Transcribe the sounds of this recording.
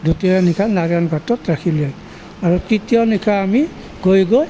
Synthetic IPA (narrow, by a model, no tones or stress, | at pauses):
dutianikʰanaɾanɡatɔtɹakʰilej | aɹukɹitiɔnikʰaːmi | ɡojɡoj